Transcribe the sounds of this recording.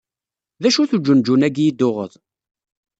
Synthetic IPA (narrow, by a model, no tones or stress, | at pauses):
ðæʃuθud͡ʒʊnd͡ʒunæɡjid̪ːʊʁə̰ðˤ